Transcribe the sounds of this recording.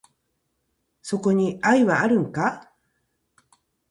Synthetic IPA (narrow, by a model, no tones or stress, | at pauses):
so̞ko̞ɲ̟iaiβaːɾɯ̟̃ŋka